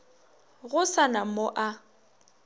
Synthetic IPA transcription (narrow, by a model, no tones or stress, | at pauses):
ɣʊsanamoʔa